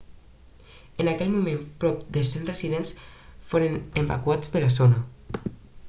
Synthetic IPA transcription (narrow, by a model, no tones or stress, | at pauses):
ənakɛlmumẽmpɾɔp̚d̪əsenrəziðensfoɾənemba̰kuad͡zðəlazonə